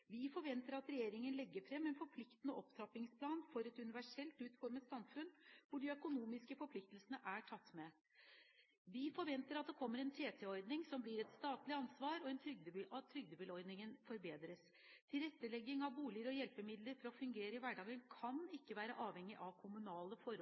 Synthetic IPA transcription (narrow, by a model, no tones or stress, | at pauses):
ʋɪfɔɾʋɛnt̪əɾɑt̪ɾɛjeːɾɪŋənlɛɡːəfɾɛmːɛnfɔɾpʰlɪkt̪ənəʔɔpt̪ʰɾɑpːɪŋspʰlɑːnfɔɾɛt̪ʉnɪʋæʂɛlt̪ʉːt̪fɔɾmət̪sɑmfʉnʋʊɖɪœkʊnuːmɪskəfɔɾpʰlɪk̚t̪əlsənəʔæʈʰɑt̪ːmɛ | ʋɪfɔɾʋɛnt̪əɾɑt̪̚d̪ɛkʰɔmːəɾɛnt̪ʰeːt̪ʰɛɔɾd̪nɪŋsɔmblɪɾɛt̪st̪ɑːt̪lɪɑnsʋɑːɾɔɛnt̪ʰɾʏɡ̚d̪əbɑt̪ʰːɾʏɡ̚d̪əbɪlɔɾd̪nɪŋənfɔɾbeːd̪ɾəs | t̪ʰɪlɾɛt̪ːəlɛɡːɪŋɑʋbuːlɪəɾɔjɛlpəmɪd̪ləɾfɔɾɔfʉŋɡeːɾəɪʋæɖɑːɡənkʰɑnɪkːəʋæːɾəʔɑːʋhɛŋːɪʔɑʋkʰʊmʉnɑːləfɔɾ